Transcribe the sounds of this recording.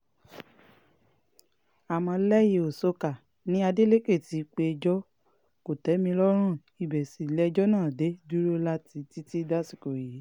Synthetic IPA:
a˨mɔ̃˧lɛ˦je˧o˨so˨˧ka˨ | nĩ˨˦a˧de˦le˦ke˦˨ti˨˦˧k͡pe˧d͡ʒɔ˦ | ko˨tɛ˨˦mĩ˧lɔ˦ɾ̃ũ˦˨ | i˨bɛ˨si˨lɛ˦˧d͡ʒɔ˦nãː˦˨de˨˦du˦ɾo˦la˦ti˧ti˦ti˦da˦si˨ko˨je˨˦

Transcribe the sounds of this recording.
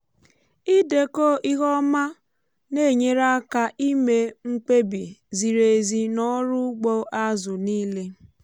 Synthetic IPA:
i˦de˨ko˦˨ʔi˦ɣɔ˦ma˦ | ne˦˨ɲe˦ɾa˦ka˨ʔi˦me˨ŋ͡m̩˦k͡pe˦bi˨zi˨ɾe˨zi˨nɔ˦ɾʊ˦ɡ͡bo˦ʔa˦zʊ˨niː˦le˦

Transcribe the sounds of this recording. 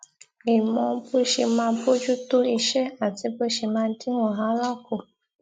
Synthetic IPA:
e˨mɔ̃˧pu˦ʃe˧mãː˧˦po˦d͡ʒu˦to˦i˧ʃɛ˦a˨ti˨˦bo˦ʃe˧mãː˧˦di˦wɔ̃˨ɦã˨˦la˦ko˨

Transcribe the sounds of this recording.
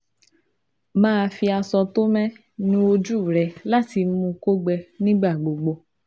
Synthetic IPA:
mãː˦˧fi˧a˧sɔ˧t̪o˦mɛ̃˦ | nũ˦o˧d͡ʒu˦˨ɾɛ˨la˦˨ti˧mũ˧ko˦ɡ͡bɛ˧nĩ˦ɡ͡ba˦˨ɡ͡bo˨ɡ͡bo˧

